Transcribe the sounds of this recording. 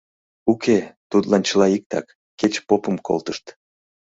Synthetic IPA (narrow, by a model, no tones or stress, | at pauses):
uket̪ut̪lɑnt͡ɕəlɑik̚t̪ɑ̰kːet͡ɕpopəmkʰo̰lt̪əʃt̪